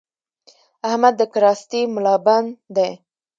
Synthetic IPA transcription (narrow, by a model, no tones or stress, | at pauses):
ahmad̪ːəkaɾɑst̪imʊlɑband̪e